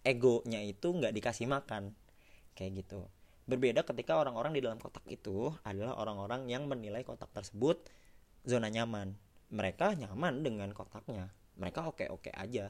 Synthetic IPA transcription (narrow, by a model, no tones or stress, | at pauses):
eɡoɲait̪uŋɡaʔdikasihmakan | kajaʔɡit̪ṵ | bərbedakət̪ikaoɾaŋoɾaŋdidalamkot̪ḁkḭt̪uadala̰ɦʔo̰ɾaŋoɾaŋjaŋmənilajkot̪ak̚t̪ərsəbʊt̪̚ | zonaɲamanməɾekaɲamandəŋankot̪ak̚ɲa | məɾekaokḛʔo̰kḛʔa̰d͡ʒa